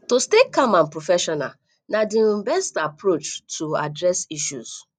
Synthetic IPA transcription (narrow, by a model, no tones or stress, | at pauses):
tostekamãnpɾofɛʃɔna̰ | nadĩbɛstapɾot͡ʃtʰua̰dɾɛsiʃṵs